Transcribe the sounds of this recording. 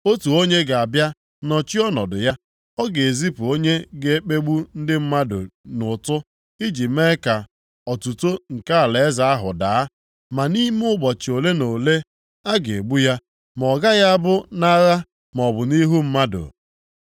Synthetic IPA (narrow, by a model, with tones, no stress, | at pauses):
o˦tu˨o˦ɲe˦ɡa˨bja˦ | nɔ˨t͡ʃi˦ɔ˦nɔ˨dʊ˨ja˦ | ɔ˦ɡe˨zi˦pu˨o˦ɲe˦ɡe˨e˦k͡pe˦ɡ͡bu˦n̩˦dɪ˦m̩˦ma˦dʊ˨nʊ˨tʊ˦ | i˦d͡ʒi˨me˦ka˨ | ɔ˨tu˨to˦ŋ̩˨ka˦a˨le˨e˦za˨a˦ɦʊ˨da˨a˦ | ma˨ni˦m˦ʊ˦ɡ͡bɔ˨t͡ʃi˨o˨le˦no˨le˦ | a˦ɡe˨ɡ͡bu˦ja˦ | m˨ɔ˨ɡa˦ja˦a˦bʊ˦na˦ɣa˦ | m˨ɔ˨bʊ˨ni˦ɦu˦m̩˦ma˦dʊ̰˨